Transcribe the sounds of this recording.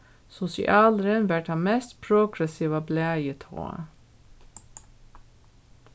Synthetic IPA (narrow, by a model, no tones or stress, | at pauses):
sʊsɪ̰ʔɑːlɾənʋæʈhɑnmɛst̪pʰɾuːɡɾɛsiːʋɑblæːjət̪ʰo̰ːə̰